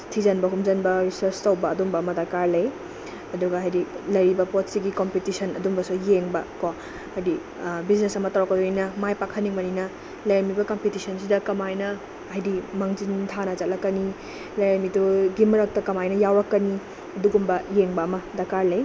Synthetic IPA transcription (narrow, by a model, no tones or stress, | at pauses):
tʰizɐnbɐɦumzɐnbɐɾisɐɾstɐwbɐːdumbɐːmɐdakaɾlɐj | ɐduɡɐɦajdilɐjɾibɐpotsiɡikompitisʰɐnɐdumbɐsujeŋbɐko | ajdi | biznesɐmɐtawɾakːɐduninɐmajpakʰɐnːiŋmɐninɐ | lɐjɾmibɐkɐmpitisʰɐnsidɐkɐmajnɐ | ɦɐjdimɐŋzintʰanɐzɐt̚lɐkːɐni | lɐjɾmituɡimɐɾɐk̚tɐkɐmajnɐjawɾɐkːɐni | ɐduɡumbɐjeŋbɐːmɐdɐkaɾlɐj